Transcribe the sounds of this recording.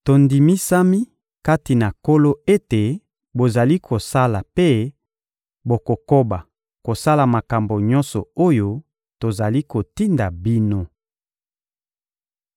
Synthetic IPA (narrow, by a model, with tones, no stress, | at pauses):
to˨ndi˨mi˦sa˦mi˦ | ka˦ti˨na˨ko˦lo˦e˦te˨ | bo˨za˨li˦kʰo˨sa˦la˨pe˦ | bo˨ko˨ko˦ba˨ | ko˨sa˦la˨ma˨ka˨mbo˨ɲɔ˦nsɔ˨o˦jo˦ | to˨za˨li˦ko˨ti˦nda˨bi˦no˦